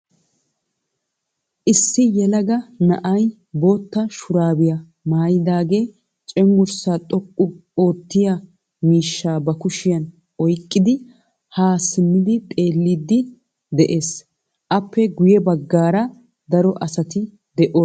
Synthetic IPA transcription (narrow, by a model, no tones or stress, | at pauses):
ʔɪsːɪjɛlɐɡɐnɐ̰ʔɐj | boːt̪ːɐʃʊɾaːbɪjɐ | maːjɪd̪aːɡe̞ː | t͡ʃʼɛŋɡʊɾsaːt̪ʼɔkʼːʊo̞ːt̪ːɪjɐ | miːʃːaːbɐkʊʃɪjɐn | ʔɔjkʼːɪd̪ɪ | haːsɪnːɪd̪ɪt̪ʼe̞ːlːid̪ːɪ | d̪ɛʔe̞ːs | ʔɐpʰːɛɡʊjɛbɐɡːaːɾɐ | d̪ɐɾɔʔɐsɐt̪ɪ | d̪ɛʔoː